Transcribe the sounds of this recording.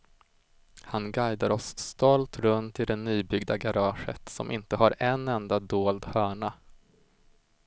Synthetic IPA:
hanɡajd̪aɾɔsːt̪ɔlt̪ɾɵnt̪ɪd̪ɛnːyːbʏɡd̪aɡaɾɑːʂə̰t̪sɔ̰mʔɪnt̪əɦaɾɛnɛnd̪ad̪oːld̪hœːɳa

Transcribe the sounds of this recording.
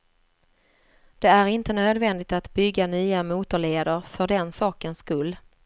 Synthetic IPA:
d̪̥ɛæɾɪnt̪ənøːd̪vɛnd̪ɪt̪at̪bʏɡːanyːamuːt̪əɭeːd̪əɾfœɖɛnsɑːkənskɵlː

